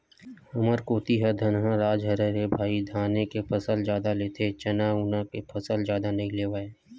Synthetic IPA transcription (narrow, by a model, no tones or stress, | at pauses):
ʊməɾkoːt̪iɦɐɾd̪ʱɐnɦãɾaːd͡ʒɦɐɾeɾebʱaːid̪ʱaːnekepʰɐsəld͡ʒjaːd̪aleːt̪ʰet͡ʃɐnaːwnakepʰɐsəlzjaːd̪anɐɦĩleːʋaːeː